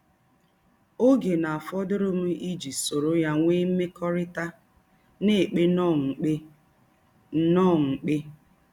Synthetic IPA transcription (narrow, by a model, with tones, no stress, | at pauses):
o˦ɡe˨na˨a˨fɔ˦dʊ˦ɾʊ˦m̩˦ʔi˦d͡ʒi˨so˨ɾo˦ja˦ŋʷe˦me˦kɔ˦ɾɪ˦ta˦ | ne˦˨e˨k͡pe˦nɔ˦ŋ̩˨k͡pe˦ | nɔ˦˨ŋ̩˨k͡pe˦